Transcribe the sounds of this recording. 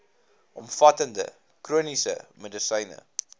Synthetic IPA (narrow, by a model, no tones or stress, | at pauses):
ʔɔmfɐtəndə̰ | kruənisə̰mədəsəjnə̰